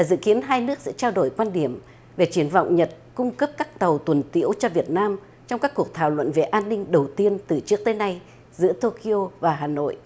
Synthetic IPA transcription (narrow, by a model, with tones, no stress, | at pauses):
aː˨˩zɨ̰˧˨ki˨˦ənɦaː˧jnɨ˦˥ək̚sɛ̰˧˥t͡ɕaː˧wɗo˨˩jkwaː˧nɗi˨˩əm | ve˨˩t͡ɕi˨˦ənvɔ̰˧˨wŋ͡mɲə˨˩t̚kʊ˧ŋ͡mkə˦˥p̚kaː˦˥k̚t̪ə˨˩wt̪wə˨˩nt̪ḭ˧˥əwt͡ɕɔ˧vi˨˩ət̚naː˧m | t͡ɕɔ˧wŋ͡mkaː˦˥kːu˨˩ək̚t̪ʰaː˧˩wlwə̰˧˨nve˨˩ʔaː˧nːï˧ŋ̟ɗə˨˩wt̪i˧ənt̪ɨ˨˩t͡ɕɨ˦˥ək̚t̪eː˨˦jna˧j | zɨ̰˧˥ət̪o˧ki˧ʔo˧vaː˨˩ɦaː˨˩no̰˧˨jʔ